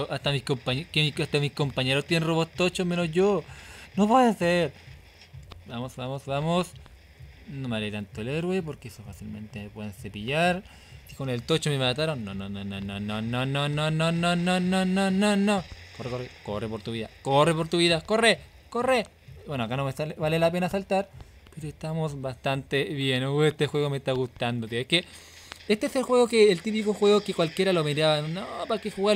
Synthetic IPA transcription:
oʔat̪amikompaɲekemiat̪amihko̞mpaɲeɾot̪jenroβost̪ot͡ʃome̞nosʝonoβajaseɾ | bamosbamosβamos | nomaɾet̪ant̪oeleɾwep̬oɾkeesofasilmẽ̞̰nt̪epweðensepiʝaɾ | si̥kone̞lt̪ot͡ʃomemat̪aɾonːonononononononononononononononokorekorekorepoɾt̪uβiða̰korepo̞ɾt̪uβiðakore | kore | bwe̞noakanomesalβalelape̞nasalt̪aɾ | peɾoest̪amosβast̪ant̪eβjenoest̪exwe̞ɣomest̪aɣust̪and̪ot̪ieske | est̪eeselxwe̞ɣokeːlt̪ip̬ikoxwe̞ɣokekwalkʲje̞ɾalomiɾaβanopakexuɣa

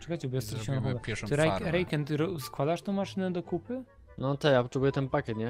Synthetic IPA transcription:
t͡ʂɛkat͡ɕɛbɔjɛst̪ɔliɕɛ̃nɔɦɔɡ̪at̪ɾɛjɾɛjkɛnt̪ɾɔskwad̪aʂt̪ɔ̃w̃maʂɘnɛd̪ɔkupɘ | nɔt̪ɛjapɔtt͡ʂɛbujɛt̪ɛnpakʲɛt̪ɲɛ

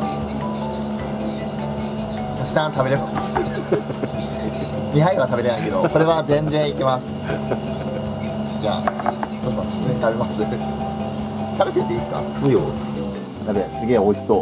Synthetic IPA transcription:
t̪akɯ̟̥sãnt̪abe̞ɾe̞masɨ̥ | ɲʲiɦaĩat̪abe̞ɾe̞naike̞d̪o̞ko̞ɾe̞βazẽ̞ndẽ̞ɰ̃ikʲemasɨ̥ | d͡ʑa̰ːt͡ɕonːõet̪abe̞masɨ | t̪abe̞t̪et̪ːeiːsɨ̥ka̰ | jo | nabesɨɡʲe̞ːo̞iso̞ː

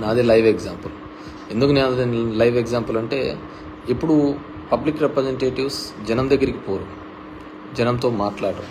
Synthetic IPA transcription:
nːd̪ilɐjʋeɡzaːmpɐl | e̞nd̪ukunenɐnd̪ɐɐnlɐjʋeɡzaːmpɐlɐɳʈe̞̰ː | ipːuɽu | pɐblikɾepɾɐzeɳʈeːʈiʋsd͡ʒɐnɐmd̪ɐɡːɐɾiki̥poːɾuk | d͡ʒɐnɐmt̪o̞ːmaːʈlaːɐʈɐm

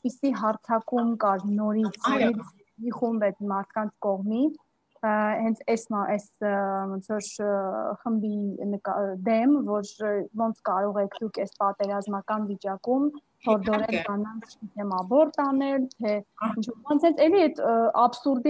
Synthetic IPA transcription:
pisiɦɑɾt͡sʰɑkumkɑɾnɔɾit͡sʰɛɛvɛmiχumbɛt̪ʰmɑɾt̪̚ʰkɑnt͡sʰkɔʁmit͡sʰ | hɛnt͡sʰɛsʔɛsmɔnt͡sʰɔɾ | χəmbinəkɑd̪ɛmvɔɾvɔnt͡sʰkɑɾɔʁɛkʰd̪ukʰɛspɑt̪ɛɾɑzmɑkɑnvit͡ʃɑkum | hɔɾd̪ɔɾɛlɡɑnɑnt͡sʰit̪ʰɛmɑbɔɾt̪ɑnɛlt̪ʰɛint͡ʃʰɔɾbɑnt͡sʰhɛnt͡sʰɛliɛt̪ʰɑbsuɾd̪i

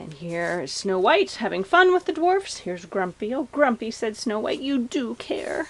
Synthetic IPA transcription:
ɨ̰̃nhiɹɪz̥snoʊwaɪthævɪ̃ŋfʌ̃nwəðɨdwɔɹfshiɹzɡɹʌ̃mpioʊɡɹʌ̃mpisɛdsnoʊwa̰ɪtjɨdɨkʰɛ̰ɹ

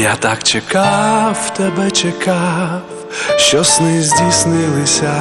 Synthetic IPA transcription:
jat̪akt͡ʃɛkaft̪ɛbɛt͡ʃɛka | ʃɔsnizdisnilisa

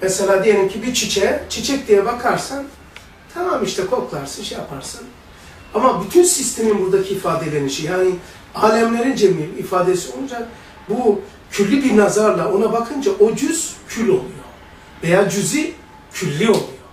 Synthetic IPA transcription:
mɛselʲaːd̪iejelʲimcʰibiɾt͡ʃʰit͡ʃʰɛt͡ʃʰet͡ʃʰɛc̚d̪ijɛbakʰaɾsan | t̪ʰamaːmiʃt̪ʰɛkʰo̞klˠaɾsɯnʃejapʰaɾsan | amabyt̪ʰynsist̪ʰe̞minbuɾd̪acʰiːfaːd̪elʲeniʃijaːni | aːlʲɛmlʲe̞ɾind͡ʒemimifaːd̪esio̞lˠud͡ʒak̚ | bu | cʰylʲːibiɾnazaɾlˠao̞nabakʰɯnd͡ʒaʔo̞d͡ʒyz̥cʰylʲo̞lˠujo̰ | ve̞jaːd͡ʒyzi | cʰylʲːio̞lˠujo

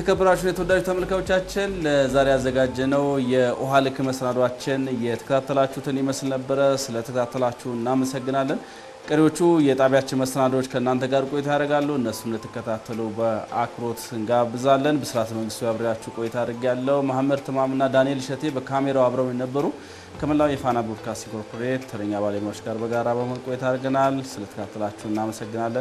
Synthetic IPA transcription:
t̪ʰəkʰəbːəɾat͡ʃːunjɛt̪əwod̪ːad͡ʒut̪ʰəməlkawot͡ʃːat͡ʃːɪnləzaɾejazːəɡad͡ʒːɛnəwjɛʔoɦalɨkʰɨməsənad̪wat͡ʃːɪnjɛt̪ʰə̥kʰət̪ʰat̪ʰːəlat͡ʃːut̪ʰɨnjɛməslnəbːəɾəsɨlət̪ʰəkʰət̪ʰat̪ʰːəlat͡ʃːɛɨnːaməsəɡːɨnalːən | kʼəɾewo̞t͡ʃːujɛt̪ʼaβjat͡ʃːɪnməsənad̪ot͡ʃːkʰəɨnːant̪ʰəɡaɾkʼo̞jɛt̪ʰajadɾəɡalːəhuɨnːəsːunlət̪ʰːɨ̥kːət̪ʰat̪ʰːəlubəakʰɾo̞t̪ɨŋɡabɨzalːənbəsɨɾat̪məŋɡɨst̪ʰujaβɾəjat͡ʃːɛwkʼo̞jɛt̪ʰaad̪ɾəɡialːəhumahamːəd̪̚t̪ʰɨmamɨnːad̪anijelʃət̪ʰe̞bəkʰame̞ɾawaβɾəwjɛnəbːəɾu | kʰəməlːawjɛfanabod̪kʰast̪iŋkʰoɾpʰoɾet̪t̪ʰːəɾəɲːaβaleɲaot͡ʃːɡaɾbəɡaɾabəməlkʼojɛt̪ʰaɾɡənalsɨlət̪ʰə̥kʰat̪ːəlat͡ʃːɛwɨnːaməsəɡːɨnalːən

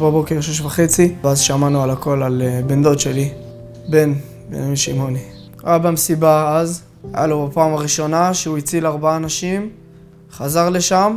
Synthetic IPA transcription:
babo̞keʁʃeʃ̬vaχet͡siveazʃamanualako̞lalbend̪o̞tʃe̞li | be̞n | bḛmiʃimo̞ni | ʁabamesibaaz | a̰jalobapaːmaʁiʃo̞naʃeuit͡silaʁbaaːnaʃim | χazaʁleʃam

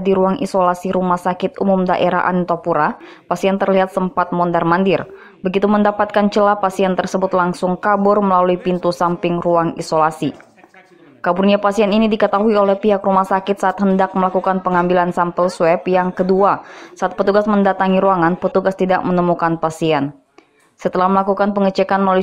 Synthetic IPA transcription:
diɾuaŋʔḭsolasiɾumahsakɪt̪̚umʊmdaʔeɾa̰ɦʔa̰nt̪opuɾa | pasiɛnt̪ərliɦat̪̚səmpat̪̚mɔndarmandɪr | bəɡit̪uməndapat̪̚kant͡ʃəlapasiɛnt̪ərsəbʊt̪laŋsʊŋkabʊrməlaluipint̪usampɪŋruaŋḭsolasi | kaburniapasiɛninidikət̪aɦuiolɛhpiɦakrumahsakɪt̪̚saʔat̪̚həndak̚məlakukanpəŋambilansampəlswɛpjaŋkəduasaʔat̪̚pət̪uɡasməndat̪aŋiɾuaŋanpət̪uɡast̪ida̰ʔ̚mənəmukanpasiɛn | sət̪əlahməlakukanpəŋət͡ʃɛkanməlalui

